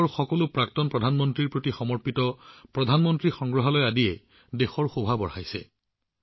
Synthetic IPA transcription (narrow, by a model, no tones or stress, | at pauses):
xɔkɔlʊpɹaktɔnpɹɔdʱanmɔntɹiɹpɹotixɔmɔɹpitɔpɹɔdʱanmɔntɹixɔŋɡɹɔɦalɔjadijɛ | dexɔɹxobʱabɔɹhajsɛ̰